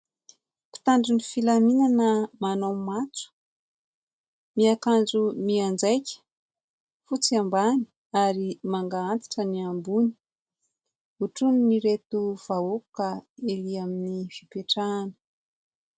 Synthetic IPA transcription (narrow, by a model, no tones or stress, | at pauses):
ku̥t̪aɳɖ͡ʐunifilaminanəmanomat͡su̥ | miakand͡zumiand͡zajkʲə̥ | fut͡siambani̥ | aɾimaŋɡaant̪i̥ʈ͡ʂəniambuni̥ | uʈ͡ʂunniɾet̪uv̥auku̥kaeliaminifipeʈ͡ʂanə̥